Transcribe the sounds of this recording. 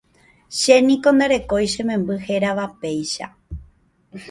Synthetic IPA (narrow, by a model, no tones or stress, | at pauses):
ʃe̞nĩkõ̞nd̪aɾe̞ko̞jʃẽ̞mẽ̞mbɨhe̞ɾaʋape̞jʃa̰